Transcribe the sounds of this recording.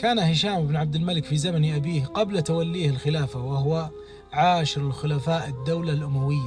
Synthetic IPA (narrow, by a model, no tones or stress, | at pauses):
kaːnahɪʃaːmɪbnʕab̚d̪ɪlmalɪkfizamanʔabiːhqablat̪awalːiːhɪlxɪlaːfawaɦʊwa | ʕaːʃɪɾɪlxʊlafaːʔɪd̪ːawlalʔʊmawɪjːa